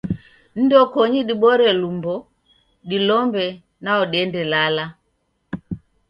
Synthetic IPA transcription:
n̩dɔkɔɲiɗiɓɔɾɛlumbɔ | ɗilɔmbɛ | naɔɗɛndɛlala

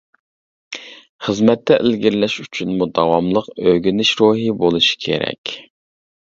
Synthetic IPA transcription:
χəzmɛt̪ʰːɛʔɪlɡʲiɾlɛʃyt͡ʃʰynmud̪ɑwɑmlˠəqøɡʲinɪʃɾoɦibolˠuʃi̥kʲʰḛɾɛ̰kʲ

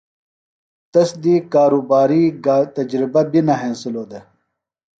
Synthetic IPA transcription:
t̪ɐsd̪iːkaːɾuːbaːɾiːɡt̪ɐd͡ʑɾibɐbinɐɦẽnsiloːd̪e

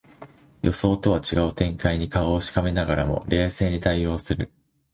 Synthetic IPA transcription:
jʔo̞so̞ːt̪o̞βat͡ɕiɡaɯ̟t̪ẽ̞ŋkaiɲ̟ikaoːɕi̥kame̞naɡaɾamo̞̰ɾe̞ːse̞ːɲ̟it̪aijo̞ːsɨɾɯ̟̰

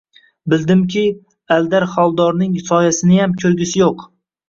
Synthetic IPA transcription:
bɪld̪ɪmkʲʰɪ | ald̪aɾχɒlˠd̪ɒɾnɪŋsɒjasɪnɪjamkʲʰɵɾɡʲɪsɪjoq

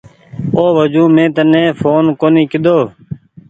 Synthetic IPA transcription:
oːʋəd͡ʒũːmẽːt̪ənẽːfʰoːnkoːniːkɪd̪oː

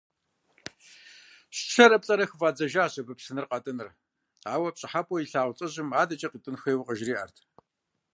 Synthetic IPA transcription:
ɕɬɐɾɐp̚ɬʼɐɾɐxɨvaːd͡zɐʒaːɕʼɐbɨpsɨnɨrqɑtʼɨnɨr | aːwɐpɕʼɪħapʼɔjiɬaːʁʷt͡sʼɐʑɪmaːdɐt͡ʃʼɐqitʼɨnxʷeːwqəʒriːʔɐ̰rtʰ

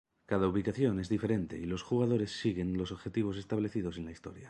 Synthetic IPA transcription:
kaðauβikaθjo̞ne̞zðife̞ɾe̞nt̪e̞̰ilo̞sxuɣ̞aðo̞ɾe̞sːiɣe̞nlo̞soβxe̞t̪iβ̞o̞s̬e̞st̪aβle̞θið̞o̞se̞nlaist̪o̞̰ɾja

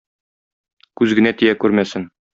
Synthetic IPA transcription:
kʉzɡɘ̆næt̪ijækʉɾmæsɘŋ

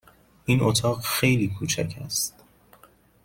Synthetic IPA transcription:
ʔiːnʔot̪ʰɒːɢxejliːkʰuːt͡ʃʰæcʰæ̰st̪

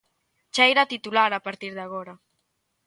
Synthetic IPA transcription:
t͡ʃajɾat̪it̪ulaɾapaɾt̪iɾðaɣ̞oɾa

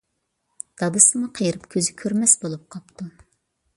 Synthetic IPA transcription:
d̪̥ɑb̪ɨsɨmʊqʰəjɨɾɨpkʲʰøzɪkʲʰøɾmɛsbolˠup̚qʰɑp̚t̪ʰu

